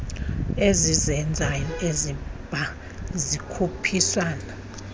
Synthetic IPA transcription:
ezizɛnd͡zʱajɔezib̥ʱa | zikʰupʰisaːna

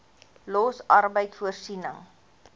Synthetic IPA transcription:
lɔsɐrbəjtsfuərsinəŋ

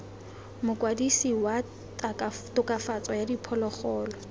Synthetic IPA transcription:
mʊkʼwadisiwa | taktʊkʼafat͡sɔjadipʰɔlɔχɔːlɔ

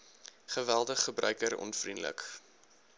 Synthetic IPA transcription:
χəvælˠdəχːəbrœ̰ɥkəɾɔ̰nfrindlə̰k

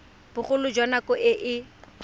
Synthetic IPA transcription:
b̥ʊχʊlʊd͡ʒwanakɔʔɪʔɪ

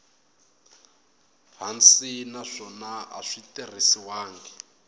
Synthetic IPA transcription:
ɦant͡sinaʂɔnaa̰ʂitir̤isiwaːŋɡɛ

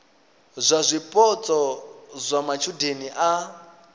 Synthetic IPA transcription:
zʷazʷipʼɔt͡sʼɔzʷamat͡ʃʰudeniʔa

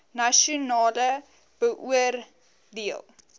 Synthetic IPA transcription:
nɐʃiunɑːlə | b̥əʔuər | diəlˠ

